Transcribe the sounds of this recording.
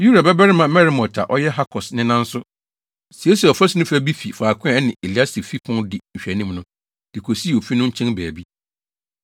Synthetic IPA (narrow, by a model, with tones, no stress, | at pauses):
ju˦ɾa˨bɛ˦bɛ˦ɾɪ˦mã˨mɛ˦ɾi˦mɔ̃˨tʰa˨ʔɔ˦jɛ˦ɦa˦kʰɔ˨snɪ̃˦nã˦n̩˦sʊ˦ | si˨e˦si˨ɔ˨fɔ˦si˨˦nʊ̃˦fæ˦bi˦fi˨faː˨kʰʊ̃˦ɛ̃˨˦nɪ̃˨ʔe˨li˨˦a˦si˨fi˦pʰʊ̃˦ndɪ˨n̩˨ɕᶣæ˨nĩ˦mnʊ̃˦ | d̥ɪ˨kʰo˨si˦˨o˨fi˦nʊ̃˦ɲ̩˦t͡ɕʰɛ̃˦nbæː˨bi˦